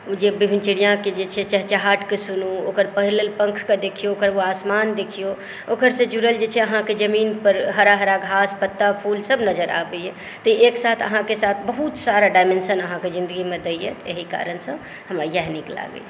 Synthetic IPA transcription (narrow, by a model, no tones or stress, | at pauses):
d͡ʒebibʱint͡ʃiɽijãked͡ʒet͡ʃʰɛt͡ʃəɦt͡ʃəɦaʈkesunuokəɾpəɦilelpə̃ŋkʰked̪ekʰijookəɾoasmand̪ekʰijo | okəɾsẽd͡ʒuɾəld͡ʒet͡ʃʰɛəɦãked͡ʒəminpəɾɦəɾaɦəɾaɡʱaspət̪ːapʰulsəbnəd͡ʒəɾʔa̰bəjɛ | t̪əeksat̪ʰə̰ɦãkesat̪ʰbəɦut̪saɾaɖajmensənəɦãkezind̪əɡimed̪əjɛ̰t̪eɦika̰ɾənsə̃ | ɦəməjaɦnikla̰ɡə̰